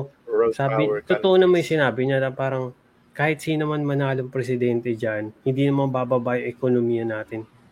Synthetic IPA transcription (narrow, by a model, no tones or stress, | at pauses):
ʔo | saːbɪt̪ot̪oʔonɐmɐjsɪnaːbɪɲɐnɐpaːɾɐŋ | kaːhɪt̪̚sinɐmanmɐnaːloŋpɾɛsɪd̪ɛnt̪ɛd͡ʒanhɪnd̪iːnɐmanbabɐbaʔɪŋʔɛkonomiːjɐnaːt̪ɪn